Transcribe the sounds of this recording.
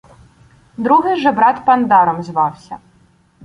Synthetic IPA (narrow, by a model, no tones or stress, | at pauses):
d̪ɾuɦɪʒɛbɾɑt̪pɐnd̪ɑɾɔmzʋɑwsʲɐ̰